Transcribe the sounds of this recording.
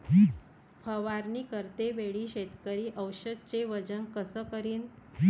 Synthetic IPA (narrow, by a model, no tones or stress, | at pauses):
i | fʰəʋaɾniːkəɾt̪eʋeɭiːɕet̪kəɾiːʔəwɕəd̪̚t͡ɕeʋəd͡ʑənkəsəːkəɾiːn